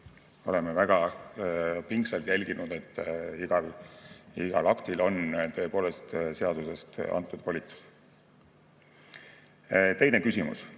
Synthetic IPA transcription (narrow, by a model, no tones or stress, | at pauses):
o̞le̞mevæɡ̥ɑ | piŋkselt̪jælʲɡ̥inud̪̥e̞t̪ːiɡ̥ɑl | iɡ̥ɑ̰lɑkt̪ilo̞nt̪ø̞epo̞ːle̞st̪seɑd̪̥use̞st̪ɑ̰nt̪ːˑud̪̥volʲit̪ːu̥s | t̪e̞jne̞kysʲimṵs